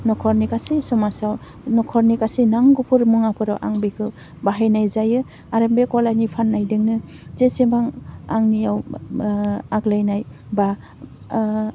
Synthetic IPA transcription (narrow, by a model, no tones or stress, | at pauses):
nɔkʰɔɾnikasesɔmasaw | nɔkʰɔɾnikasinaŋɡupʰuɾmuŋapʰɯɾawʔa̰ŋbikʰɯ | baɦajnajzajɯ | aɾambekɔlanipʰanːajdɯŋnɯ | zesebaŋaŋnijaw | aɡlajnaj | ba